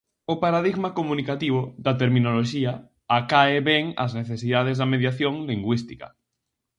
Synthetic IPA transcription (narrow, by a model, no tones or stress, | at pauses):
opaɾaðiɣmakomũnikat̪iβ̞oðat̪̬eɾmĩnoloʃiaː | kaeβɛŋa̰zneθesiðað̞ezðameðjaθjoŋliŋɡwist̪i̥ka̰